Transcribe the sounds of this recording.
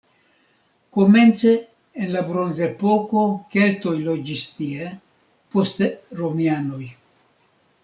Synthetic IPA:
koment͡seː | nlabɾonzepokokelt̪ojlod͡ʒist̪ie | post̪eromjanoj

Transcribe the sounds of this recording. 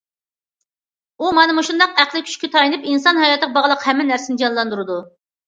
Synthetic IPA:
umɑnɨmuʃund̪ɑqæχlˠɨkʲʰy̥ʃkʲɛt̪ʰɑjinɨpinsɑnɦhɑjɑt̪ɨəʁbɑʁlˠəqhɛmːɪnæɾsɪnɪd͡ʒɑnlˠɑnd̪uɾɨd̪u

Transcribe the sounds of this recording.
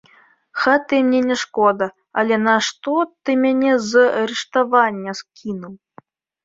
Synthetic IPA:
xat̪ɨmnʲɛnʲɛʂkɔd̪ɐ | ɐlʲɛnɐʂt̪ɔt̪ɨmʲanʲɛzɐɾɨʂt̪avanʲːɐskʲinuw

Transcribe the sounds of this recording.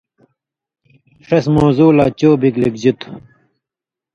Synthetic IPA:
ʂesmoːzuːlaːt͡ɕoːbiklik̚d͡ʑit̪ʰu̥

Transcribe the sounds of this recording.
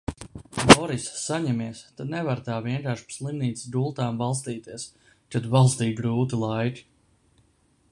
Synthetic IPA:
bɔɾisːaɲɛmiɛst̪ad̪nɛvaɾt̪aːviɛŋkaːɾʃpslˠimniːt̪ssd̪ulˠt̪aːmvalˠst̪iːt̪iɛs | t͡ʃɛt̪valˠst̪iːɡɾuːt̪ilˠajt̪

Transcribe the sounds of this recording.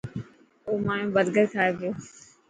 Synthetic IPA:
oːmãːjõːbəd̪ɡəɾkʰaːeːpjoː

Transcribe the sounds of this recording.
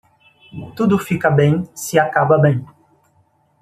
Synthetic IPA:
t̪ud̪ʊfikɐbẽj̃sɪakabɐbẽj̃

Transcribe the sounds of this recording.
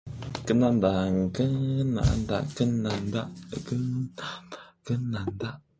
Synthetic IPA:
kənandaŋkəna̰ʔnda̰kənandakə | kɨnanda

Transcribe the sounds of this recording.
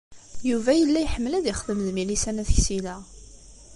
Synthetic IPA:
juvæjəlːæjħəmːəlæðiχəðəmðmilisænæθəçsilæ

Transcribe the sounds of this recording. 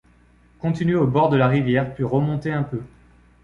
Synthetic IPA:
kɔ̃t̪inɥeobɔʁd̪əlaʁivjɛʁpɥiʁəmɔ̃t̪eɛ̃pø

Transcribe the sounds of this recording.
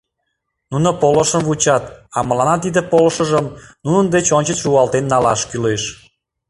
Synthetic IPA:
nunopoləʃəmvut͡ɕɑt̪ɑməlɑnɑt̪̬id̪epoləʃəʒəmnunənd̪et͡ɕonʲt͡ɕət͡ɕruɑlt̪enːɑlɑʃkyleʃ

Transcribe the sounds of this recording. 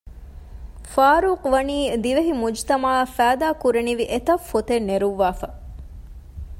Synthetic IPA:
faːɾuːqʋɐniːd̪iʋeɦimud͡ʒt̪ɐmaːfæːd̪aːkuɾeniʋiʔet̪ɐfːot̪enːeɾuʋːaːfɐ

